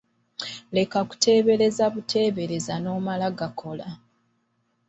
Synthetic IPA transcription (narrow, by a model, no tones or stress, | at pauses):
le̞kaku̥tʰe̞ːβe̞ɾe̞zaβutʰe̞ːβe̞ɾe̞zano̞ːmalaɡakʰo̞la